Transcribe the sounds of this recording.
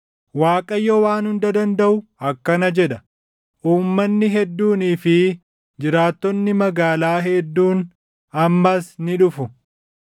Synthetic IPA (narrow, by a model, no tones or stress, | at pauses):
waːkʼɐjːɔwaːnhʊnd̪ɐd̪ɐnd̪ɐʔʊɐkːɐnɐd͡ʒɛᶑɐ | ʔuːmːɐnːɪɦɛd̪ːuːniːfɪ | d͡ʒɪɾaːt̪ːɔnːɪmɐɡaːlaːɦɛd̪ːuːn | ɐmːɐsnɪᶑʊfʊ